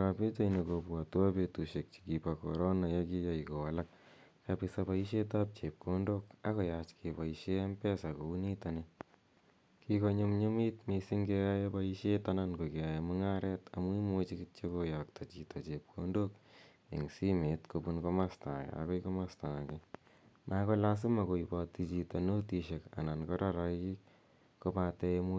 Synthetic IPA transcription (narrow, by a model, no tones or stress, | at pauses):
ɾapitainekopwatwapetuʃek̚t͡ʃi̥kipakoɾonajekijaikowalak̚ | kapisapaiʃetap̚t͡ʃep̚kondokakojat͡ʃkʰepaiʃeampɛsakounitane | kikoɲumɲumitmesiŋɡejajebaiʃetanankokiaemʊŋaɾɛtamuimot͡ʃiktt͡ʃekojɔk̚tat͡ʃitʰat͡ʃep̚kʰondok | ḛŋsimetkopunkomastakḛa̰kojkomastake | mʔakolas̬ɪmakoipatit͡ʃitanotiʃeka̰nankɔɾaɾaik̚ | kopateemu